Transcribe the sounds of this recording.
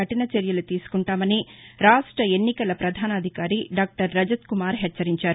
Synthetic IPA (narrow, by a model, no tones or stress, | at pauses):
ɐʈinɐt͡ʃeɾjɐlut̪iːsu̥kuɳʈaːmɐniɾaːʂʈɾɐe̞nːikɐlɐpɾɐd̪ʱaːnɐːd̪ʱikaːɾiɖaːk̚ʈɐɾːɐd͡ʒɐt̪kumaːɾɦɛt͡ʃɐɾiɲt͡ʃaːɾu